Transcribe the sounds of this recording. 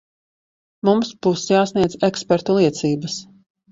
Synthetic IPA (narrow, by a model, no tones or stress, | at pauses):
mumsb̥uːsjaːsniɛd̪zekspɛɾt̪ulˠiɛt̪siːbəs